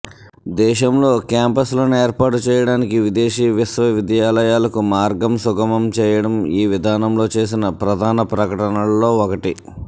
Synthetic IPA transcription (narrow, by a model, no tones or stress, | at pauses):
d̪ɛːʃɐmlo̞ːkjaːmpɐslo̞ːnueːɾpaːʈut͡ʃɛːjɐɽaːnikiʋid̪eːʃiːʋisʋɐʋid̪jaːlɐjaːlɐkumaːɾɡɐmsuɡɐmɐmt͡ʃɛːjɐɽɐmiːʋid̪ʱaːnɐmlo̞ːt͡ʃe̞ːs̬inɐpɾɐd̪ʱaːnɐpɾɐkɐʈɐnɐlo̞ːɔkɐʈi